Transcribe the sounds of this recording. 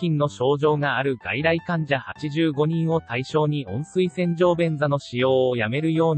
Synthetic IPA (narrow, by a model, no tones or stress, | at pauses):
ĩnːo̞ɕo̞ːʑo̞ːɡaːɾɯ̟ɡa̰iɾaikãɲd͡ʑahat͡ɕiʑɨːɡo̞ɲ̟ĩɰ̃o̞t̪aiɕo̞ːɲ̟iõ̞ɰ̃sɨisẽ̞ɲ̟d͡ʑo̞ːbẽ̞nd͡zano̞ɕijo̞ːjame̞ɾɯ̟jo̞ːɲ